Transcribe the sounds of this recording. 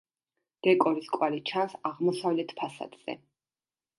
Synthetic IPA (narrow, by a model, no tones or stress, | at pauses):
d̪̥ɛkʼɔɾiskʼwalit͡ʃʰansaʁmɔsavlɛt̪ʰpʰasa̰d̪̥z̥ɛ̰